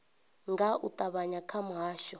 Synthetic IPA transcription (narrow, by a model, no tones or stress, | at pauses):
ŋɡaʔutʼaβaɲakʰamuɦaːʃɔ